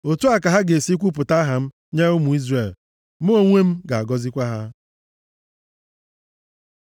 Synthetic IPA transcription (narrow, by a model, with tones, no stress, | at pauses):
o˨tu˦a˨ka˨ɦa˦ɡe˨si˦kʷu˦p̬ʊ˨ta˦ɦa˨m̩˦ | ɲe˦ʊ˦mu˨i˦zre˨l | mʊ˦o˨ŋʷe˦m̩˦ɡa˨a˨ɡɔ˦zi˦kʷa˦ɦa˦